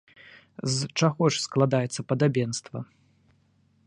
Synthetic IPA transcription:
zt͡ʂaɣɔʂsklˠad̪ajɛt̪sːɐpɐd̪abʲɛnst̪vɐ

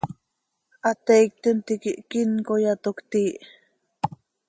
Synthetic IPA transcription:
ʔat̪eik̚t̪ent̪ikiʔkinkojat̪okt̪iːʔ

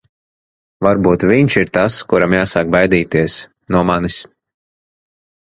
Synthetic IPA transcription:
vaɾbuːt̪vʲiɲʲʃiɾt̪askuɾamjaːsaːk̚bajd̪iːt̪iɛs | nuɔmanis

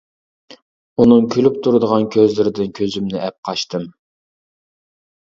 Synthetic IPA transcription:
unɨŋkʲʰølypt̪ʰuɾɨd̪əʁɑnkʲʰøzlɪɾɪd̪ɪnkʲʰøzymnɪʔɛp̚qʰɑʃt̪ɨm

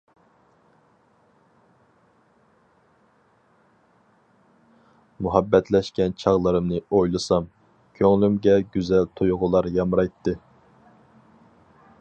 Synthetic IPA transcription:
muɦɛbːɛt̪ʰlɛʃkʲɛnt͡ʃʰɑʁlˠɨɾɨmnɨojlˠɨsɑm | kʲʰøŋlymɡʲɛɡʲyzɛlt̪ʰujʁʊlˠɑɾjɑmɾɑjt̪ʰːɨ

